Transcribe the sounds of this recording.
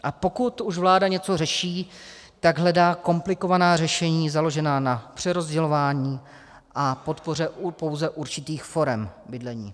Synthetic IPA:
ʔapo̞kut̪uʒvlaːdaɲɛt͡so̞rɛʃiː | t̪aɡɦlɛdaːko̞mplɪko̞vanaːrɛʃɛɲiːzalo̞ʒɛnaːnapr̝̥ɛɾo̞zɟɛlo̞vaːɲiː | ʔapo̞t̪po̞rɛpo̞wzɛʔuɾt͡ʃɪt̪iːxfo̞ɾɛmbɪdlɛɲḭː

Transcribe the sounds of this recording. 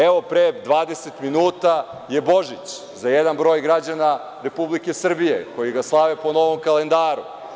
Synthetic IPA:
eʋo̞pɾed̪ʋaːd̪eset̪minuːt̪a | je̞bo̞ʒit͡ɕ | zajed̪anbɾo̞ːjɡɾad͡ʑana | ɾe̞publikesr̩bijḛko̞jiɡaslˠaʋepo̞no̞ʋo̞mkale̞nd̪aːɾṵ

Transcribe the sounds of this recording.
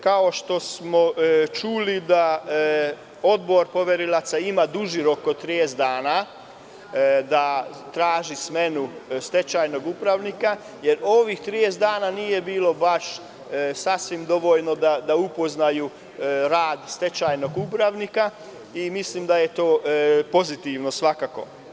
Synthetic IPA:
kao̞ʃt̪o̞smot͡ʃulid̪a | o̞d̪̚bo̞ɾpo̞ʋeɾilat̪saimad̪uʒiɾo̞kːot̪ːɾijest̪d̪aːna | d̪at̪ɾaːʒisme̞nust̪e̞t͡ʃajno̞ɡupɾaʋnika | je̞ɾo̞ʋixt̪ɾijesd̪aːnaniːje̞biːlo̞baʃ | sasʋimd̪o̞ʋoʎno̞d̪ad̪aupo̞znaju | ɾaːd̪st̪et͡ʃaːjno̞ɡupɾaʋnika | imisliːmd̪ajet̪oːpo̞zit̪iʋno̞sʋakako̞̰

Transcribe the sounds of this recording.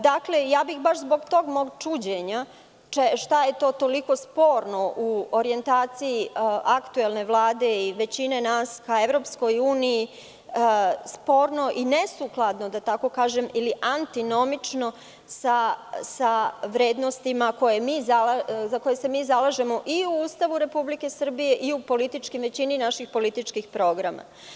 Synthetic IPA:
d̪akle̞jaːbixbaʃzbo̞ɡt̪o̞ɡmoɡt͡ʃud͡ʑeɲa | t͡ʃeʃt̪aje̞t̪o̞ːt̪o̞liko̞spo̞ːɾno̞ʔuoɾije̞nt̪aːt̪sijiakt̪uelˠne̞ʋlˠaːd̪e̞iʋe̞t͡ɕine̞naːskaeʋɾo̞ːpsko̞juːniji | spo̞ɾno̞ʔine̞suklˠad̪no̞d̪at̪ako̞kaːʒe̞miliʔant̪ino̞mit͡ʃno̞ | sasaʋɾe̞ːd̪no̞st̪imako̞jemiːzalazako̞jese̞miːzalˠaʒe̞mo̞ʔiuuːst̪aʋuɾe̞publike̞sr̩bije̞ʔiupo̞lit̪it͡ʃkimʋe̞t͡ɕininaʃixpo̞lit̪it͡ʃkixpɾo̞ɡɾamʔa̰

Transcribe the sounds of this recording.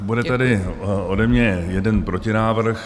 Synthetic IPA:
budɛt̪adɪo̞dɛmɲɛjɛdɛnpɾo̞cɪnaːvr̩x

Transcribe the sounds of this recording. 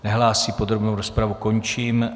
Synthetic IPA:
nɛɦlaːsiːpod̪ɾo̞bnowɾospɾavuko̞ɲt͡ʃiːm

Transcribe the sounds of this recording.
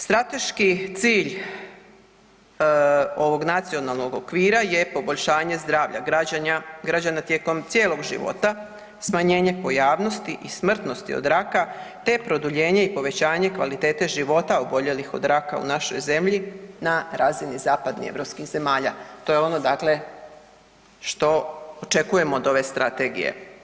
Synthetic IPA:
st̪ɾat̪e̞ʃkit̪siːʎ | o̞ʋo̞ɡnat̪sio̞nalˠno̞ɡokʋiːɾaje̞po̞bo̞ʎʲʃaːɲe̞zd̪ɾaːʋʎa̰ɡaaaɡɾad͡ʑanat̪je̞ko̞mt̪sjeːlˠo̞ɡʒḭʋo̰t̪a | smaɲe̞ːɲe̞po̞jaːʋno̞st̪iʔismr̩t̪no̞st̪ḭo̰d̪ɾakat̪e̞pɾo̞d̪uʎe̞ːɲeipo̞ʋe̞t͡ɕaːɲe̞kʋa̰lit̪e̞ːt̪e̞ʒiʋo̞t̪aobo̞ʎe̞lixo̞̰d̪ɾaka̰ṵnaʃo̞jze̞mʎinaɾaːzinizaːpad̪nḭḛʋɾo̞pskixze̞maːʎa̰t̪o̞jeo̞no̞d̪akle̞ | ʃt̪o̞ot͡ʃe̞kuje̞moːd̪o̞ʋe̞st̪ɾʔat̪e̞ɡḭjḛ

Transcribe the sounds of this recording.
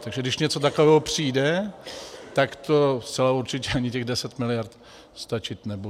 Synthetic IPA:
t̪aɡʒɛɡdɪʃɲɛt͡so̞t̪akovɛːɦopr̥iːdɛ | t̪akt̪o̞st͡sɛlauɾt͡ʃɪcɛaɲɪcɛɣdɛsɛt̪mɪlɪjaɾt̪ | st̪at͡ʃɪt̪nɛbu

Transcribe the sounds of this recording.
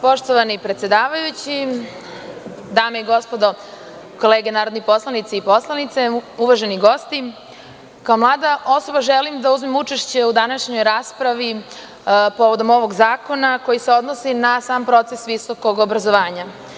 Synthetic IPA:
po̞ʃt̪oʋanipɾet̪sje̞d̪aːʋajut͡ɕi | d̪aːmeiɡo̞spod̪o | ko̞lˠeːɡenaːɾo̞d̪nipo̞slˠanit̪siipo̞slˠanit̪seuʋaʒeniɡo̞st̪i | kaomlˠaːd̪aʔo̞so̞baʒelimd̪auzmemut͡ʂeʃt͡ɕe̞ud̪anaʃɲojɾaːspɾaʋi | po̞ʋod̪o̞mo̞ʋo̞ɡzaːko̞nako̞jiseo̞d̪nosinasaːmpɾo̞t̪sesʋiso̞ko̞ɡobɾazoʋaːɲa

